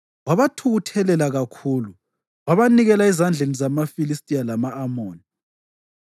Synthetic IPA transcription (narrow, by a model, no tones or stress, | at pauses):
waβatʰuɣutʰɛlɛlaɣakʰuːlu | waβaniɣɛlaizand͡ɮʱenizamafilistʼijalamaːmoːni